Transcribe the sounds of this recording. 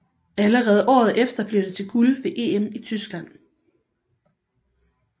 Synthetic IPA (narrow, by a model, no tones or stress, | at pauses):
æləʁɛːð̞̩ˠʔɒ̰ːð̞̩ˠʔefd̥ɐb̥liɐd̥e̝t͡sʰe̝ɡ̥ulʋe̝ʔe̝̰ːemit͡sʰysɡ̥læn̰